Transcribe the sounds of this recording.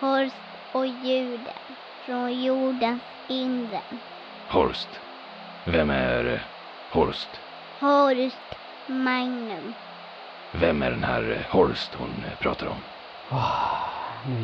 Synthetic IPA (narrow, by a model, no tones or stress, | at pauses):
hɔɾst̪ | ɔjʉ̟ːɖə̰ | fɾonjuːɖəns | ɪnɾə | hɔɾst̪ | vɛmːæɾ | hɔɾst̪ | hɔɾst̪ | maŋnɵm | vɛmːæɖɛnhæːɾhɔɾst̪hʊ̰npʰɾɑ̰ːt̪ʰaɾɔ̰m